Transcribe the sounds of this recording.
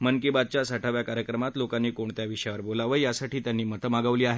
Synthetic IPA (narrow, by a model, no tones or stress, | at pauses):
mənkibad̪̚t͡ɕjasaʈʰaʋjakaɾjəkɾəmat̪lokanːiːkoɳt̪jaʋiɕəjaʋəɾbolaʋəjjasaʈiːt̪janːiːmət̪əmaɡəʋliːaɦe